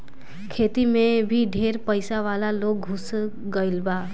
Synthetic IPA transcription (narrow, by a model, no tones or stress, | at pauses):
kʰeːt̪imẽbʱiɖʱeːɾpəɪsaʋaːlaloːɡɦʊs | ɡəɪlbaː